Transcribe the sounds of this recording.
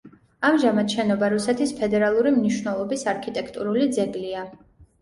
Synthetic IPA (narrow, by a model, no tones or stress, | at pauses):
amʒamat̪ʃɛnɔbaɾusɛt̪ʰispʰɛd̪ɛɾalˠuɾimniʃwnɛlˠɔbisaɾkʰit̪ʼɛkʰt̪ʼuɾulid̪zɛɡlia